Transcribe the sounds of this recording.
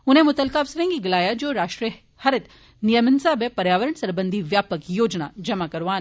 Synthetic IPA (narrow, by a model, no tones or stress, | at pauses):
ʊnɦẽmʊt̪əlkaːʋsɾẽŋɡiɡɪlaːjad͡ʒoːɾaːʃʈɾiə | hɐɾɪt̪ | nijəmənsaːbepɐɾjaːʋəɾəɳsɐɾbə̃nd̪ʱiʋjaːpəkjoːd͡ʒna̰d͡ʒɐmakɐɾʋaːn